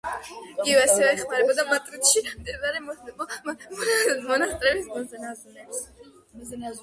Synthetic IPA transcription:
ɡivɛasɛvɛːχmaɾɛbɔd̪amat̪ʼɾit̪ʃiɾamd̪ɛbaɾɛmɔɛbɔmmɔnast̪ʼɾɛbisɡɔ

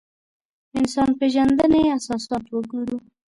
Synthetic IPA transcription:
ɪnsɑnpeʒand̪əneasɑsɑt̪wəɡuɾu

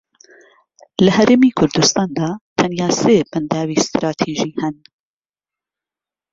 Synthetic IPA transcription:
lɐhɐɾeːmiːkʰʊɾd̪ust̪ɑːnd̪aːt̪ʰɐnjaːseːbɐnd̪aːwiːst̪ɾɑːt̪ʰiːʒiːhɐn

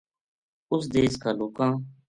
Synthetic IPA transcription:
ʊsd̪eːskaːloːkãː

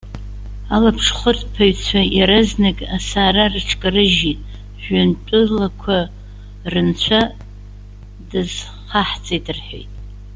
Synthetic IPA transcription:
alapʰʂχʷʊrpʰaɥt͡sʷʰajaɾɨznɨkʼasaːrarɨʈ͡ʂʰkʼrɨʒitʼ | ʒᶣantʷʼʊlakʷʰa | rɨnt͡ɕʷʰa | dɨz̥ | χaħt͡sʼejdʼɨrħe̞̰jtʼ

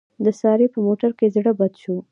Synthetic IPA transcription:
d̪əsɑɾepəmoʈaɾkezɽəbad̪ʃu

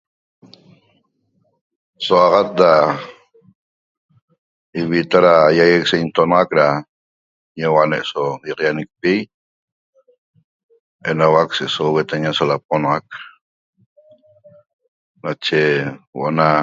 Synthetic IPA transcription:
soɑʁat̪̚da | iβit̪aɾajajeksojnt̪onɑʁakɾa | ɲewaneʔsojɑqjanek̚pij | enawakseʔsowet̪aɲasolap̚onɑʁak̚ | nat͡ʃewo̰ʔona

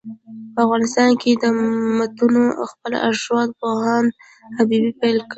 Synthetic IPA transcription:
pəafɣɑnɪst̪ɑnkʰed̪əmat̪unoxpəl̰a̰ʒwɑd̪̚pohɑn | habibipalki

